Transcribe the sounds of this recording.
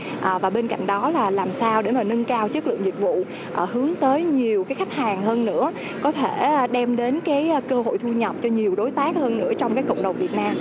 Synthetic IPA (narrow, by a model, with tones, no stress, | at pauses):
ʔəː˨˩vaː˨˩ɓe˧nka̰˧˨jŋ̟ɗɔ˨˦laː˨˩laː˨˩msaː˧wɗe˧˩maː˨˩nə˧nkaː˧wt͡ɕɨ˦˥k̚lɨ̰˧˨əŋzi˨˩k̚vṵ˧˨ | ʔhɨ˨˦əŋt̪əː˨˦jɲi˨˩əwxaː˨˦jxa˦˥jk̟̚haː˨˩ŋɦəː˧nːɨ̰˧˥ə | kɔ˨˦t̪ʰe˧˩˨ɗɛ˧mɗe˨˦nkaː˨˦jkəː˧ho̰˧˨jt̪ʰu˧ɲə˨˩p̚t͡ɕɔ˧ɲi˨˩əwɗo˨˦jt̪aː˦˥k̚həː˧nnɨ̰˧˥ət͡ɕɔ˧wŋ͡mkaː˨˦jkə̰˧˨wŋ͡mɗə˨˩wŋ͡mvi˨˩ət̚naː˧m